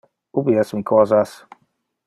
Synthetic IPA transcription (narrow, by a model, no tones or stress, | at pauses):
ubiɛsmikɔzas